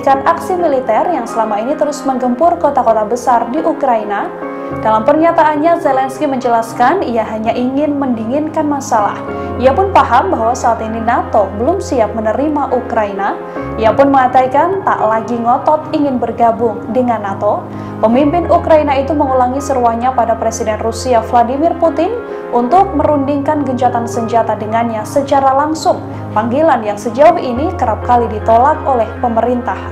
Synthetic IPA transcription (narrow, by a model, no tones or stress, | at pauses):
kanaksimilit̪ɛrjaŋsəlamainit̪əɾʊsməŋɡəmpʊrkot̪akot̪abəsardiʔukɾaina | d̥alampərɲat̪aːnɲazelɛnskiməɲd͡ʒəlaskanijaɦaɲaʔiŋɪnməndiŋɪnkanmasala̰h | iapʊnpaɦambaɦwasaaːt̪ininat̪obəlʊmsiap̚mənəɾimaʔukɾaina | ijapʊnməŋat̪aikant̪a̰ʔlaɡiŋɔt̪ɔt̪iŋɪnbərɡabʊŋdəŋanːat̪o | pəmimpɪnʔukɾainait̪uməŋulaŋisəɾuahɲapadapɾesidɛnrusiafladimɪrput̪ɪn | unt̪ʊk̚məɾundiŋkanɡəɲd͡ʒat̪ansəɲd͡ʒat̪adəŋanɲasət͡ʃaɾalaŋsʊŋ | paŋɡilanjaŋsəd͡ʒauʔinikəɾap̚kalidit̪olakolɛhpəməɾint̪ah